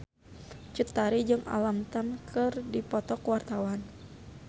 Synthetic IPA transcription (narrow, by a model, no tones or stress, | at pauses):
t͡ʃut̪aɾid͡ʒɨŋa̰lamt̪amkʰɨrdipɔt̪ɔkwart̪awan